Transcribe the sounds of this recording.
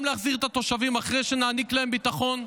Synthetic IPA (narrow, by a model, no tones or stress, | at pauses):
mleaχziʁet̪at̪o̞ʃavimaχʁe̞jʃenaːniklaembitaχo̞n